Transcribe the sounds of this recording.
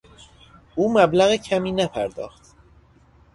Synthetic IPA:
ʔuːmæblæɣecʰæmiːnæpʰæɾd̪ɒ̰ːxt̪

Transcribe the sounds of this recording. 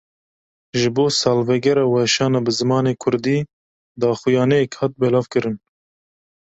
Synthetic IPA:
ʒɨboːsɑːlvɛɡɛɾɑːwɛʃɑːnɑbɨzɨmɑːneːkʰʊɾd̪iː | d̪ɑːxʊjɑːnɛjɛkhɑːt̪̚bɛlɑːvkɨɾɨn

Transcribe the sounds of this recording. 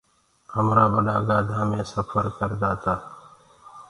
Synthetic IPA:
həmɾaːbəɗaːɡaːd̪ʱãːmẽːsəpʰəɾkəɾd͡ʒ̪aːt̪aː

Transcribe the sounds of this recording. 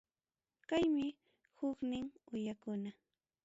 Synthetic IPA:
kajmɪ | hʊknɪŋʊjakʊna

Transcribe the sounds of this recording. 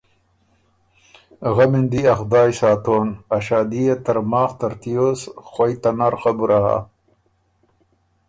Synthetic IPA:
ɣamind̪iɐxd̪aːjsaːt̪oːnɐɕaːd̪ijet̪ɐɾmaːxt̪ɐɾt̪ijosxɐjt̪anaɾxabuɾʔaha̰

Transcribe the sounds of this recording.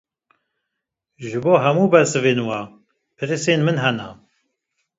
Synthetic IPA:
ʒɨboːɦɛmuːbɛsɨveːnwa | pʰɨɾɨseːnmɨnɦɛna̰

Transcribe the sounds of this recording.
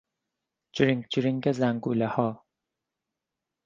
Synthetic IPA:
d͡ʒɾiŋɡd͡ʒɾiŋɡezæŋɡuːlehɒː

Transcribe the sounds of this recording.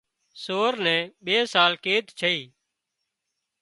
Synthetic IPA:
soːɾnɛ̃ːɓeːsaːlkeːd̪t͡ʃʰəiː

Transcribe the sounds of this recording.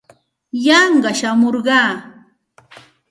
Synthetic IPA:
jɑɴɢɑʃamoɾɢɑː

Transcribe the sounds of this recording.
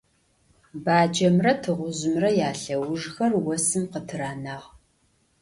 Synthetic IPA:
baːd͡ʒɐmrɐtʰɨʁʷʊʑɨmrɐjaːɬɐwʊʐxɐrwɔsɨmqətʰɨraːnaːʁ

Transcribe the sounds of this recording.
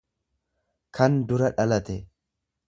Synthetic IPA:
kʰɐnd̪ʊɾɐᶑɐlɐt̪ɛ

